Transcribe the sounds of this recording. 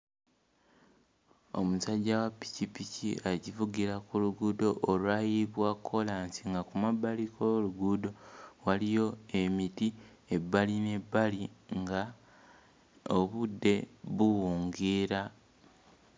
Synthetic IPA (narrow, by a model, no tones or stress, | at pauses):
o̞̰musaɟːawapi̥cipicḭaɟivuɡiɾakuluɡudo̞ʔːlwajiβwakʰːo̞laːnsiŋɡakumabalikoluɡudo̞walijo̞e̞miti | ebːaline̞bːaliŋɡa | oβudːe̞βuwuːŋɡiːɾa